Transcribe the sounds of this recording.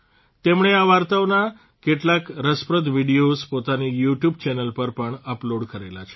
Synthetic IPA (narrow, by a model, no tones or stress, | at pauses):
t̪emɽeaʋaɾt̪aʋna | keʈlakɾəspɾəd̪ʱʋiɽijospot̪anijuʈjub̚t͡ɕɛnəlpəɾpəɳəploɽkəɾela̰t͡ʃʰe̥